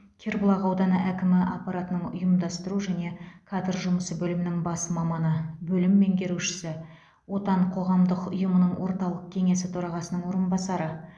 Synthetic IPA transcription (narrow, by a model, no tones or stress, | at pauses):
kʲʰeɾbʊlˠɑʁɑwd̪ɑnəʔækʲɪmɪʔɑ̰pːɑɾat̪ənəɴʊ̰jəmd̪ɑst̪əɾuʒæne̞kʰad̪əɾʒʊməsəbɵlɪmɪnɪŋbɑsəmɑmɑnəbɵlɪmːe̞ŋkʲʰe̞ɾuʃɪ̥sɪ | wo̞t̪ɑɴqʰo̞ʁɑmd̪əqʊ̰jəmənəɴwo̞ɾt̪ɑlˠəq̚kʲʰe̞ŋe̞sɪt̪ʰoɾɑʁɑsənəɴwo̞ɾənbɑsɑɾə